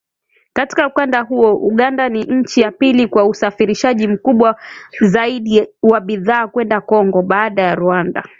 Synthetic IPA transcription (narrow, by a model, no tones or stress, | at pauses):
kati̥kaukandaɦuɔʔuɠandaniɲ̩t͡ʃijapilikwausafiɾiʃaʄim̩kuɓwazaiɗiwaɓiðaːkwɛndakɔŋɡɔɓaːɗajaɾuanda̰